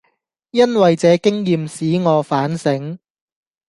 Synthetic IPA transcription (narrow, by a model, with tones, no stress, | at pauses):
jɐ˥nwɐ˨jt͡sɛː˨˧kɪ˥ŋjiː˨msiː˨˥ŋɔː˨˧faː˨˥nsɪ˨˥ŋ